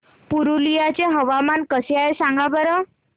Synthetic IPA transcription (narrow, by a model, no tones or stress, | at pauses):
puɾulijat͡ɕeɦəʋamankəseaesãŋɡabəɾə